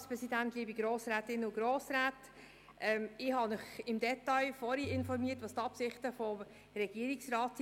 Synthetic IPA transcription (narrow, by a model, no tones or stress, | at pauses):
spɾɛsidæntliːbiɡɾoːsɾæːtɪnʊɡ̥ɾoːsɾæːt | ʔɛmɪhɑnʏχɪmdɛtːɑɪfɔɾiɪnfɔɾmiːətʋɑst̪ɑpsɪχtəfɔm | ɾɛɡ̥iəɾɪksrɑːt